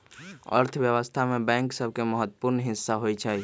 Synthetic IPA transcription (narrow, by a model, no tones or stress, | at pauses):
ə̰ɾt̪ʰəbjəβəst̪ʰamebɛ̃ŋksəb̚ʱkeməɦət̪ːəpuɾnɦĩsːaɦojt͡ʃʰəj